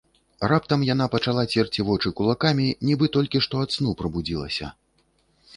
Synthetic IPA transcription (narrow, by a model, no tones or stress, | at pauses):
rap̚t̪ɐmjanapɐt͡ʂalˠat͡sʲɛrt͡sʲivɔt͡ʂɨkulˠakamʲinʲibɨt̪ɔlʲkʲiʂt̪ɔat̪snupɾɐbud͡zʲilˠɐ̰sʲɐ̰